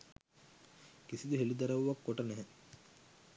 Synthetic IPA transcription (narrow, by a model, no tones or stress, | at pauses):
kisid̪əɦelid̪ɐɾɐʋʋakːoʈɐnɛɦɛ